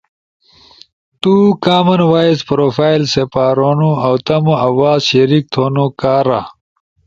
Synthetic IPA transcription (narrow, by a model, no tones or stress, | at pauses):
t̪ukaːmɐnwaːizpɾoːfaːjlsepaːɾonuɐwt̪ɐmoɐwaːzɕɐɾik̚t̪ʰoːnukaːɾa̰